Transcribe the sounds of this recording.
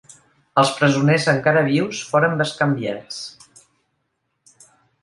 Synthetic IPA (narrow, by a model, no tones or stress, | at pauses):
əlˠspɾəzunezəŋkaɾəβ̞iwsfoɾəmbəskəmbjas